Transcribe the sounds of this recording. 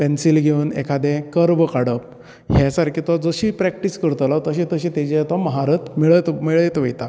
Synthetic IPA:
pɛnsilɡʱeunḛkʰad̪ɛ̃kəɾʋəkaɽəp̚ | ɦjasaɾkʰiːt̪ʋad͡zəɕiːpɾɛk̚ʈiskəɾt̪əlat̪əɕĩt̪əɕĩt̪ed͡ʑet̪aməɦaɾət̪miɭət̪miɭəjt̪ʋəjt̪a

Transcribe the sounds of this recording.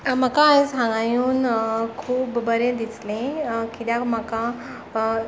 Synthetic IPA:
m̤əkaesãŋɡajuːnkʰuːpbəɾẽd̪islẽkit̪jãm̤əka

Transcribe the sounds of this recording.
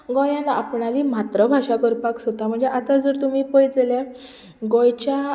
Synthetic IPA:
ɡɔjãnapɳaliːmat̪ɾəbʱaʂakəɾpaksot̪am̤əɳd͡zeʔat̪ad͡zəɾt̪umiːpɔjd͡zəle | ɡɔjt͡ɕja

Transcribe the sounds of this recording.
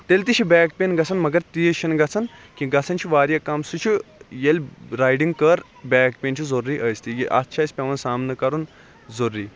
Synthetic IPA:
t̪elʲt̪iɕʰibɛːkpʲenɡɐt͡sʰɐnmɐɡɐɾt̪ijʃinɡɐt͡sʰɐnkʲĩɡɐt͡sʰɐnt͡ʃʰiʋaːɾjɐkamsut͡ʃʰijelʲɾaːjɖiŋɡkɐɾ | bʲɛːkpʲent͡ʃʰizoɾːiʔəjst̪ijiʔɐ̰t̪t͡ʃʰaːsʲpʲeʋɐnsaːmnɐkɐɾun | zoɾːiː

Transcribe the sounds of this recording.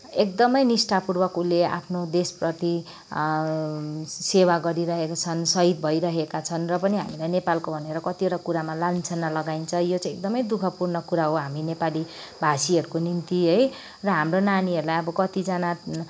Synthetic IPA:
ek̚d̪ʌmʌjnisʈapurbʌkulea̰pʰnod̪esprʌt̪i | sewaɡʌɾiɾʌɦekat͡sʰʌnsʌɦid̪̚bʱʌjɾʌɦekat͡sʰʌnrʌpʌniɦamilajnepalkobʱʌneɾʌkʌt̪ioʈakuɾamalant͡sʰʌnːalʌɡaint͡sʰʌjot͡sãj̃ekd̪ʌmʌjd̪ukʰʌpurnʌkuɾaɦoɦaminepali | bʱasiʌɾukonint̪iɦʌj | rʌɦamronaniʌɾulajʌbʌkʌt̪id͡zʌna

